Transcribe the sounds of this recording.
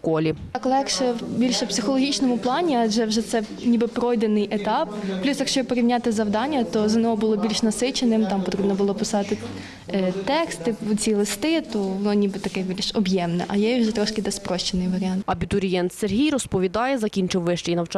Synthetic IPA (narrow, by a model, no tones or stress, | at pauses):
kɔlʲi | klˠɛkʃɛwbʲilʲʃɛpsʲɪxɔlˠɔɦʲit͡ʃnɔmʊplˠɑnʲiɑʒɛwʒɛt̪sɛ | nʲibɪpɾɔjd̪enɪjʔet̪ɑpːlʲusjɐkʃt͡ʃɔpɔɾʲiwnʲat̪ɪzɐwd̪ɑnʲːɐt̪ɔzɐnʲɔɦɔbʊlˠɔbʲilʲʃnɐsɪt͡ʃenɪmt̪ɑmpɔt̪ɾʲibnɔbʊlˠɔpɪsɑt̪ɪ | t̪ɛkst̪ɪt͡sʲilˠɪst̪ɪt̪ɔʋɔnɔnʲibɪt̪ɐkɛbʲilʲʃɔbjɛmnɛ̰ʔɐjɛiwʒɛt̪ɾɔʃkɪd̪ɛspɾɔʃt͡ʃenɪjʋɐɾʲɪɑnt̪ɐbʲit̪ʊɾʲijɛnt̪serɦʲijrɔspɔʋʲid̪ɑjɛzɐkʲinʲt͡ʃɪwːɪʃt͡ʃɪjnɐwt͡ʃ